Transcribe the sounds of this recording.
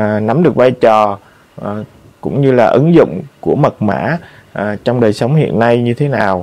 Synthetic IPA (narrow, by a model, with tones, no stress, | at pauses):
na˨˦mɗɨ˨˩ək̚vaː˧jt͡ɕɔ˨˩˨ | kʊ̰˧˥ŋ͡mɲɨ˧laː˨˩ʔɨ˨˦ŋzʊ̰˧˨ŋ͡mku˧˩əmə˨˩t̚ma̰ː˧˥ | ʔt͡ɕɔ˧wŋ͡mɗəː˨˩jsə˨˦wŋ͡mhḭ˧˨ənːa˧jɲɨ˧t̪ʰe˨˦naː˨˩w